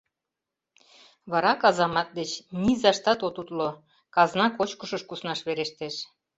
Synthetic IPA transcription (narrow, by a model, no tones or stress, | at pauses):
βɑɾɑkɑzɑmɑt̪̚d̪et͡ɕnizɑʃt̪ɑt̪ot̪ut̪lo | kɑznɑkot͡ɕkəʃɤʃkusnɑʃβeɾeʃt̪eʃ